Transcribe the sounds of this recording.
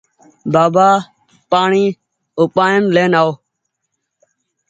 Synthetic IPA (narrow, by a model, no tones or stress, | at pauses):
baːbaː | paːɳiː | oːpaːənleːnaːoː